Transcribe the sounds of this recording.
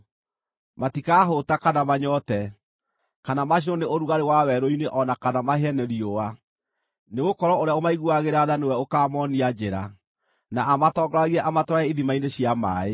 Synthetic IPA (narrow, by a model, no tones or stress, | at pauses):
matikaːɦotakanamaɲɔtɛ | kanamaɕ̬inɔneoɾuɣaɾewawɛɾoineʔɔnakanamaɦeɛnɛɾioa | neɣokɔɾɔoɾeaomaiɣuaɣeɾaðanewɛokaːmɔniad͡ʑeɾa | naːmatɔɡɔɾaɣiɛʔamatɔaɛiðimaineɕjamaːe